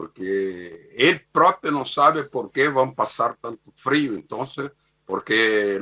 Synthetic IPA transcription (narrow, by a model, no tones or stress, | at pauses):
o̰ɾke | elpɾɔpenɐ̃w̃saβɪpoɾkevãw̃pasaɾt̪ãnt̪ʊfɾiʊẽnt̪õnse | po̰ɾke